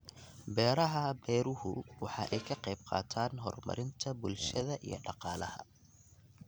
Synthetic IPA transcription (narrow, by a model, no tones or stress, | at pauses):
bɛːɾɐɦɐbɛːɾʊhʊwɑħɑːʔɛjkʰɐqɛjbqɑ̰ːt̪ʰaːnɦɔrmɐ̰ɾɪnt̪ʰɐbʊlʃɐðɐʔḭjɞ̰ɖɑqɑːlɐ̰hɐ̰